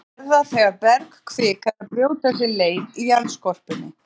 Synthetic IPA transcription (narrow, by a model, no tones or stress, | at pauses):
ɛɾðaθɛɣaɾpɛɾkkʰvɪːkaðaɾpɾjoːwt̪ɛs̬ɪleːjnijanskɔr̥pɪnːɪ